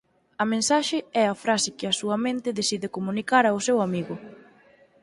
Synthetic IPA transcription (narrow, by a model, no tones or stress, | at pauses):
ɐmẽnsaʃɪɛɐfɾasɪkɪɐsuɐmẽnt̪ɪðesiðɪkomũnikaɾɐʊsewamiɣʊ